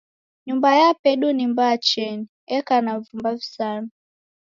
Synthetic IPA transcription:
ɲumbajapɛɗunimbaːt͡ʃɛni | ɛkanavumbavisana

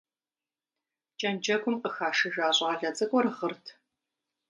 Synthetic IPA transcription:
t͡ʃʼɐnd͡ʒɐɡʷʊmqʼəxaːʂɨʒaːɕʼɐʁɐɮɐt͡sʼɐkʷʼɔɾɨʁərtʰ

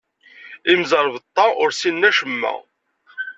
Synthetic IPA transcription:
imzɑɾˤvt̪ˤːɑʊɾsinːæʃəmːæ̰

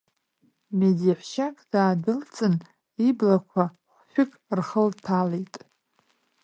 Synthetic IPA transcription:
medaħʷʃakʼd̥aːdɨlt͡sʼɨn | iblakʷʰa | χʷʃᶣʊkʼrχəltʰalejtʼ

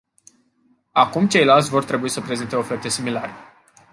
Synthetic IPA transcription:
akumt͡ʃe̞jlalt̪sʲvo̞rt̪ɾe̞buisəpɾe̞zint̪e̞ofe̞rt̪e̞similaɾe

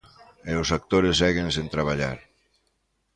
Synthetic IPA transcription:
ewsak̚t̪oɾesɛɣensent̪ɾaβ̞aʎa̰ɾ

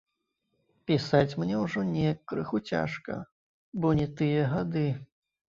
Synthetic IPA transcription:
pʲisat͡sʲmnʲɛwʐɔnʲɛjɐkːɾɨxut͡sʲa̰ʂkɐ̰ | bɔnʲɛt̪ɨjɐɣad̪ɨ

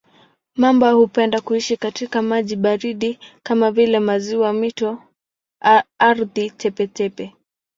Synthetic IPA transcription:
mambɔhupɛndakuiʃikatikamaʄiɓaɾiɗikamavilɛmaziwamitɔ | aɾðitʰɛpɛtɛpɛ

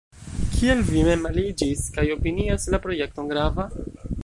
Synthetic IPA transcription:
kʰie̞lvime̞malid͡ʒiskajo̞piniaslapɾo̞je̞k̚to̞ŋɡɾava

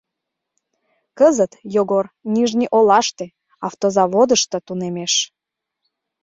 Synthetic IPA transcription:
kəzət̪joɣorniʒnʲiʔolɑʃt̪e | ɑft̪ozɑβod̪əʃt̪ŏt̪unemeʃ

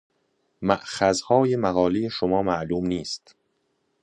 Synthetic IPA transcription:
mæʔxæzhɒːje̞mæɣɒːlejeʃomɒːmæʔluːmniːst̪

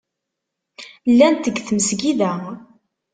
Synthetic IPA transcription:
lːænt̪əɡθməsɡiðæ

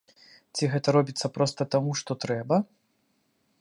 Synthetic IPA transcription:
t͡sʲiɣɛt̪ɐɾɔbʲit̪sːɐpɾɔst̪ɐt̪amuʂt̪ɔt̪ɾɛbɐ

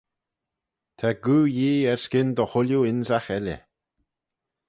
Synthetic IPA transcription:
t̪ʰaɡuːjiːɛɹskɪnd̪ɔhʊljuɪnsaxɛlə̰

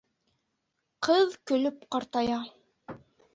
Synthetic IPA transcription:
qʰɤðkɵ̆lɵpqɑɾt̪ɑjɑ

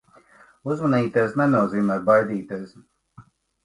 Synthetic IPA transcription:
uzmaniːt̪esnɛnuɔziːmɛːk̚bajd̪iːt̪eːs

